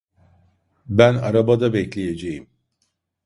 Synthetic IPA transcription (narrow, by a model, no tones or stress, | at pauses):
bæna̰ɾabad̪abɛclʲeje̞d͡ʒejim